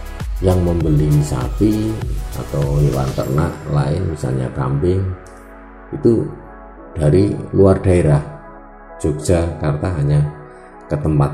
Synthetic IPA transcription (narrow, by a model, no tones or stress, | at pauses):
jaŋməmbəlimisa̰pia̰t̪awlewa̰nt̪ə̰na̰ʔlaɪnmisa̰lɲa̰ka̰mpɪŋ | it̪u | d̥aɾḭluard̥aeɾah | d͡ʒʒ̥oɡd͡ʒ̥akart̪aɦaɲa | kət̪əmpat̪̚